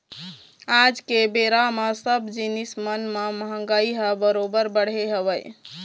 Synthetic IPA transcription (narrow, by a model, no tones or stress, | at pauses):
ad͡ʒkebeɾamesəbd͡ʒinismənmeməɦə̃ŋɡaiɦəbəɾobəɾbəɽ̤eɦəβəj